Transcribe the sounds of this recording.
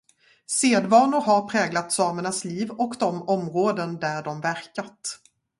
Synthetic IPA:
seːd̪vɑːnʊɾɦaɾpʰɾɛːɡlat̪sɑːməɳasliːvɔkd̪ɔmɔmɾoːd̪ənd̪æɖɔmvæɾkat̪

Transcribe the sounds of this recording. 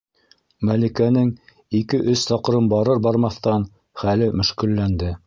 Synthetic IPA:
mælikænɘŋ | ikɘʔɵsːɑqɤ̆ɾɤnbɑɾɤɾbɑɾmɑθt̪ɑn | χælɘmɵ̆ʃkɘ̆lːænd̪ɘ

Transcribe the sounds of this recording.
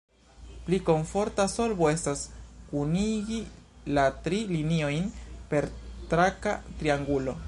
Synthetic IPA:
pliko̞ɱfo̞ɾtaso̞lbo̞e̞staskuniɡilatɾilinio̞jnpe̞ɾtɾaka̰tɾiaŋɡulo̞

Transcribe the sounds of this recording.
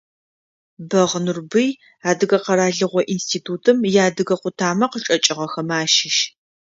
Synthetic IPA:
bɐʁnurbɨj | aːdɨɣɐqɐɾaːɮɨʁʷɔʔinstʰiːtʰuːtʰɨmjaːdɨɣɐqʷʊtʰaːmɐqəʈ͡ʂʼɐt͡ʃʼɪʁɐxɐmaːʃɪʃ

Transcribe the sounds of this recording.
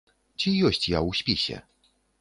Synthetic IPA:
t͡ɕijɔɕt͡ɕjauɕpʲiɕɛ̰

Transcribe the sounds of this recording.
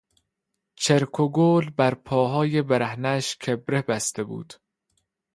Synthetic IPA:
t͡ʃʰeɾkʰoɡoːlbæɾpʰɒːɦɒːjebeɾæhnæʃkʰebɾebæst̪ebṵːd̪̥

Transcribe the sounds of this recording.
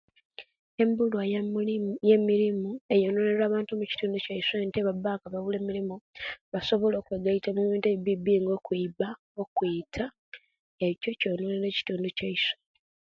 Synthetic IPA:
e̞mbulwa | jemiɾimue̞joːnoːne̞ɾaːβaːntumuci̥tuːnducaisenteβabaːkaβaβule̞ːmiɾimuβaso̞βo̞lo̞ːkweɡaitamuβiːnteβiβibiːŋɡo̞ːkwiba | okwiːtʰa | eco̞co̞ːnoːne̞ɾe̞ːci̥tuːnducaise

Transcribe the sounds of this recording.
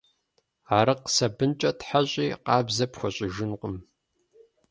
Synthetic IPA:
aːɾɨqsɐbɨnt͡ʃʼɐtħaɕʼiːqɑːbzɐpxʷɔɕʼɪʒɪnqəm

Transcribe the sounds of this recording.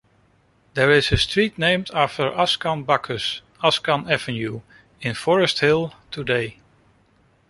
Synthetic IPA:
ðəɹɪzɨstɹ̥itⁿnẽɪ̃mdæftə˞ʔaskɑ̃nbʌkʰəs | ɑskə̃nɛvɨ̃nju | ɪ̃nfɔɹəsthɪlˠtʰədeɪ

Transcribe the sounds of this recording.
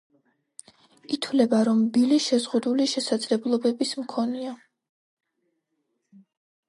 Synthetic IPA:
it̪ʰwlɛbaɾɔmbiliʃɛzʁud̪uliʃɛsad̪zlɛblˠɔbɛbismkʰɔnia

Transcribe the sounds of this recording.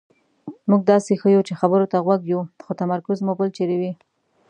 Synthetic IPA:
muɡ̚d̪ɑsexəjut͡ʃexabəɾot̪aɣwaɡjuxot̪amaɾkʊzmubəlt͡ʃeɾewi

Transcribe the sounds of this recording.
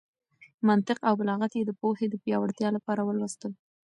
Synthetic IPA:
mant̪ɪqawbalɑɣat̪jed̪əpohed̪əpjɑwaɽt̪jɑlapɑɾawəlwast̪əl

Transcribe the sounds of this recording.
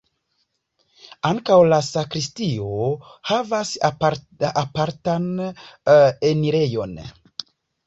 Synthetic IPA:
aŋkawlasakɾistio̞havas | apaɾtan | eniɾe̞jo̞̰n

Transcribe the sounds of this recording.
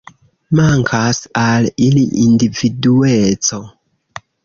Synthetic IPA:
maŋkʰasaliliʔindividuet͡so̞

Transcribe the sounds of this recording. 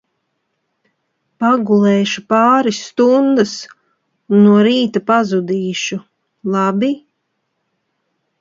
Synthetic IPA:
paɡulˠeːʃupɑːɾisːt̪und̪as | unːuɔɾiːt̪apazud̪iːʃu | lˠabi

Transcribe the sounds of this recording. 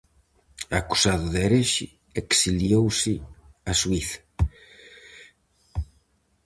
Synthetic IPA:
aku̥saðʊðeɾeʃɪ | eksiljowsɪaswiθɐ̥

